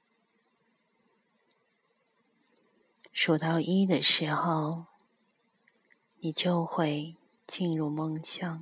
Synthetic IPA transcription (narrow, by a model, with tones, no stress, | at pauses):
ʂu˨˩t̪ɑ˥˩ʊʔi˥d̪ə˨ʂɻ̩˧˥xo˨˩ʊ | ni˨˩t͡ɕjo˥˧ʊxwe˥˧ɪ | t͡ɕi˥˧nɻu˥˧mɤ˥˧ŋɕjɑ˨˩˦ŋ